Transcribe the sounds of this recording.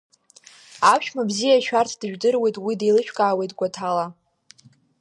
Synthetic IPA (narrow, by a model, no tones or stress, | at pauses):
apʃᶣmabzijaʃᶣartʰd̥ɨʒᶣdɨrwe̞jtʼwidejlɨʃᶣʰkʼaːwe̞jtʼɡʷatʰala